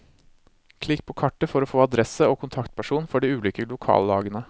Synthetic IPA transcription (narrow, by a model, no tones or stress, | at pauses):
kʰlɪkːpʰoːkʰɑʈːəfɔɾoːfoːɑd̪ɾɛsəoːkʰʊnt̪ʰɑkt̪̚pʰæʂuːnfɔɖiːʉːliːkəlʊkʰɑ̰ːlːɑ̰ːɡənə